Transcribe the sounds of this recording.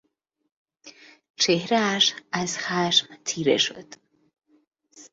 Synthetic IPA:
t͡ʃʰehɾæːʃæzxæʃmt̪ʰiːɾḛʃo̰d̪̥

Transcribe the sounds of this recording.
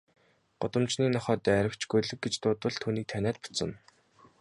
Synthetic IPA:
ɢ̥ʊt̪ə̆mt͡ɕniːnɔχɔːt̪æːæɾʲɪ̆kt͡ɕɡujɮɘ̆k̚ɡet͡ɕt̪ʊːt̪ə̆ɮt̪ʰuːniːk̚t̪ʰænæːt̪̚pʊ̥t͡sə̆n

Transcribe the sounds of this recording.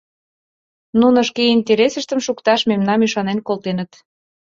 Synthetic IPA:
nunə̆ʃkeinʲt̪ʲeɾesəʃt̪ə̆mʃukt̪ɑʃmemnɑmyʃɑnenkolt̪enət̪

